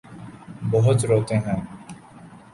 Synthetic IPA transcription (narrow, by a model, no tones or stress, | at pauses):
bəɦʊt̪ɾoːt̪eɦɛ̃ː